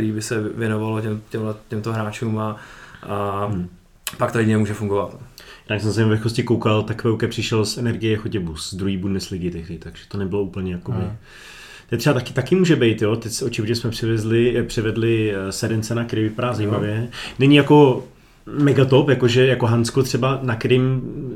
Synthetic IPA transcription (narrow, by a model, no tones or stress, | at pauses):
kt̪ɛɾiːbɪsɛvjɛnovalocɛmcɛmlɛcɛmt̪oɦɾaːt͡ʃuːma | pakt̪ojɛɲɲɛmuːʒɛfuŋɡovat̪jadnaksɛmzaimavɛxkoscɪkowkalt̪akvɛwkɛpr̝̥ɪʃɛlsʔɛnɛɾɡɪjɛxoɟɛbusd̪ɾuɦiːbudnɛslɪɡɪt̪ɛxlɪt̪aɡ̥ʒ̥ɛ̥t̪onɛbɪlo̞uːpl̩ɲɛjakobɪ | t̪ɛt̪rɛbat̪akɪ̥t̪akɪmuːʒɛbɛjt̪jot̪ɛcsot͡ʃɪvoɲɛsmɛpr̝̥ɪvɛzlɪpr̥ɪvɛdlɪsɛdɛnt͡sɛnakɛɾiːvɪpadaːzaimavjɛnɛɲɪjako̞ | mɛɡat̪o̞pjako̞ʒɛjakoɦant͡skot̪r̥ɛbanakɛɾim